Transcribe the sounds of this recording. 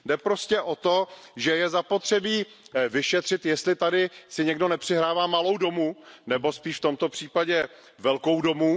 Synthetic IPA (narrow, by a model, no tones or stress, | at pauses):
dɛpɾo̞scɛʔo̞t̪o̞ʒɛjɛzapo̞t̪r̝̥ɛbiː | vɪʃɛt̪r̝̥ɪt̪jɛst̪lɪt̪adɪsɪɲɛɡdo̞nɛpr̥ɪɦɾaːvaːmalo̞wdo̞munɛbo̞spiːʃft̪omt̪o̞pr̝̥iːpaɟɛ | vɛlkowdo̞mu